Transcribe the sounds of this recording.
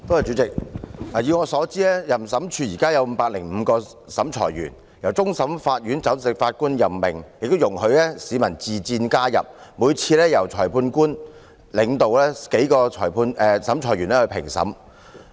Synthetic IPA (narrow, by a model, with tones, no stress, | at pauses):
t̪o˥wɐ˨jt͡ʃyː˨˥t͡sɪ˨k̚laː˨˩jyː˨˧ŋɔː˨˧sɔː˨˥t͡siː˥lɛ˥jɐ˨msɐ˨˥mt͡ʃʰyː˨˧jiː˨˩kaː˥jɐ˨˧wm̩˨˧˦paː˧k̚lɪ˨˩ŋm̩ː˨˧kɔː˧ | sɐ˨˥mt͡ʃʰɔ̰ː˨˩jɥy̰ː˨˩n | jɐ˨˩wt͡sʊ˥ŋsɐ˨˥mfaː˧t̚jyː˨˥nt͡sɐ˨˥wsɪ˨k̚faː˧t̚kuː˥njɐ˨mːɪ˨˩ŋjɪ˨k̚t̪o˥wjʊ˨˩ŋhɵ˨˧ɥlɛː˥siː˨˧mɐ˨˩nt͡siː˨t͡siː˧nkaː˥jɐ̰˨p̚muː˨˧jt͡sʰiː˧lɛː˥jɐ˨˩wt͡sʰɔː˨˩jpʰuː˧nkuː˥n | lɪ˨˧ŋt̪o˨wlɛː˥ke˨˥jkɔː˧t͡ʃʰɔ̰ː˨˩jpʰuː˧nʔɛː˧sɐ˨˥mt͡ʃʰɔː˨˩jɥyː˨˩nlɛː˥hɵ˧ɥpʰɪ̰˨˩ŋsɐ̰˨˥m